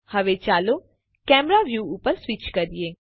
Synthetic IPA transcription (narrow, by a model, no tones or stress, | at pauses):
hɐʋet͡ʃaːlo | kɛːmɾaʋjuːupəɾsʋɪt͡ʃkɐɾieː